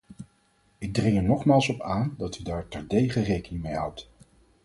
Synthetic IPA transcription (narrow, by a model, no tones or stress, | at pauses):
ɪɡ̚drɪŋɛɹnɔχmaːlˠsɔpaːndɑtydaːɹtɛɹdejχərejkənɪŋmejɦʌwt